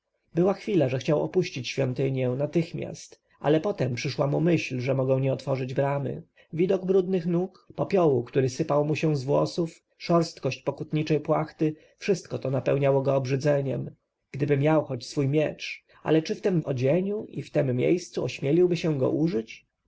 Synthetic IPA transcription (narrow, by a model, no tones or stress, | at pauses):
bɘwaxfʲilaʐɛxt͡ɕawɔ̰puɕt͡ɕit͡ɕɕfʲjɔnt̪ɘɲjɛnat̪ɘxmʲja̰st̪ | ʔa̰lɛpɔt̪ɛmpʂɘʂwamumɘɕlʐɛmɔɡɛ̃w̃ɲɛɔt̪fɔʐɘd͡ʑbɾamɘ̰ | vʲid̪ɔɡbɾud̪nɘxnukpɔpʲjɔwukt̪uɾɘsɘpawmuɕɛ̃zvwɔ̰suf | ʂɔɾst̪kɔɕt͡ɕpɔkut̪ɲit͡ʂɛjpwaxt̪ɘ | fʂɘst̪kɔt̪ɔnapɛwɲawɔɡɔːbʐɘd̪zɛɲɛm | ɡ̥d̪ɘbɘmʲjawxɔt͡ɕsfujmʲjɛt͡ʂ | a̰lɛt͡ʂɘft̪ɛmɔd͡ʑeɲuʔḭft̪ɛmːjḛjst̪suɔɕmʲjɛlʲiwbɘɕɛ̃ɡɔ̰ʔuʐɘt͡ɕ